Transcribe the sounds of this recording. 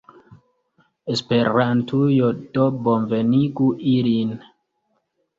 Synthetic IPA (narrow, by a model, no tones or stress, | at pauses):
espeɾantʰujodobonveniɡuʔilin